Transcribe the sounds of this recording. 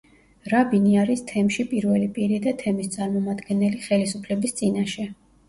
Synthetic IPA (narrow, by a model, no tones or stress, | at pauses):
ɾabiniaɾist̪ʰɛmʃipʼiɾvɛlipʼiɾid̪at̪ʰɛmist̪sʼaɾmɔmad̪ɡɛnɛliχɛlisupʰlɛbist̪sʼinaʃɛ